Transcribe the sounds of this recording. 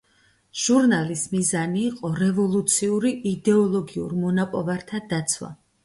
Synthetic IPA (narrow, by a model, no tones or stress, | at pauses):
ʒ̥uɾnalismizaniːqʼɔɾɛvɔlˠut̪sʰiuɾiʔid̪ɛɔlˠɔɡiṵɾmɔnapʼɔvaɾt̪ʰad̪at̪sʰwa̰